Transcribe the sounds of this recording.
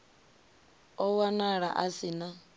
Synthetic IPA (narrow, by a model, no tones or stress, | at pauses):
ɔwanaɺa̰ʔasina